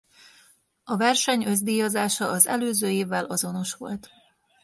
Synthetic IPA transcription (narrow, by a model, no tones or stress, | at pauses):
ɒvɛrʃɛɲø̞zd̪iːjozaːʃɒʔɒzɛ̰løːzøːjeːvːɛlʔɒzo̞no̞ʃʋo̞̰lt̪